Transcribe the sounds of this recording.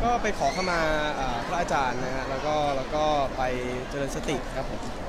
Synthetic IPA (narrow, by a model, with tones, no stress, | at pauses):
kɔː˥˩pa˧jkʰɔː˩˦kʰa˥˩maː˧ʔaː˨˩pʰɾa˦˥ʔaː˧t͡ɕaː˧nːa˦˥kʰa˦˥ʔlɛː˦˥wkɔː˥˩lɛː˦˥wkɔː˥˩pa˧j | t͡ɕəɤ˧lɤː˧nsa˧t̪i˨˩kʰɾa˦˥pʰːo˨˩˦m